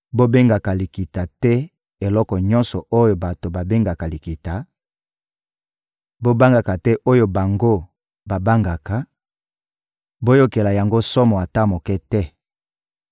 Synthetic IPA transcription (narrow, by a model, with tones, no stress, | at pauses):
bo˦be˦ŋɡa˨ka˨li˨ki˨ta˨tɛ˦ | e˨lɔ˦kɔ˨ɲɔ˦nsɔ˨ʔo˦jo˨ba˨to˨ba˨be˦ŋɡa˨ka˨li˨ki˨ta˨ | bo˦ba˦ŋɡa˨ka˨tɛ˦ʔo˦jo˨ba˨ŋɡo˦ | ba˨ba˦ŋɡa˨ka˨ | bo˦jo˦ke˨la˨ja˨ŋɡo˦sɔ˦mɔ˨a˨ta˦mo˨kɛ˦tɛ˦